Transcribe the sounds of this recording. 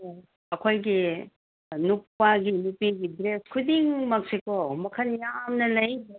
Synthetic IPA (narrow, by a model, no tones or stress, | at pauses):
ɐkʰojɡi | nuk̚paɡinupiɡidɾeskʰudiŋmɐk̚sikomɐkʰɐnjamnɐlɐj